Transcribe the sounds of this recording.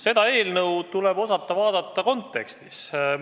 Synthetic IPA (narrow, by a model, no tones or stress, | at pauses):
se̞d̪ɑe̞ːlnɤwt̪ulebo̞sɑt̪ˑːɑvɑːd̪ɑt̪ːˑɑko̞nt̪ːˑe̞kst̪is